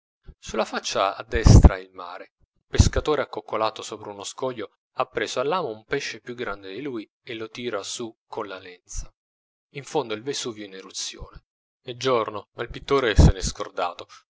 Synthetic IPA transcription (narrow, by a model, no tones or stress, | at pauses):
sulːafat͡ʃːaa̰d̪ːɛst̪ɾa̰ilma̰ːɾe | peskat̪oːɾeakːokːolaːt̪osoːpɾeunoskɔʎːo | apːɾeːzoalːaːmoumpɛʃːepjuɡːɾand̪ed̪iluːi | elot̪iːɾasukʰːonlalɛnt̪sḁ | iɱfond̪oilvesuvɛinerut̪sːjo̰ːne | ɛd͡ʒornomailpit̪ːoːɾeseneskord̪a̰ːt̪o